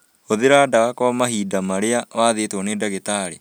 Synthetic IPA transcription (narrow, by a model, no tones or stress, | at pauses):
oðeɾaːdawakɔmaɦiːdamaɾeawaːðetwɔnedaɣetaːɾḛ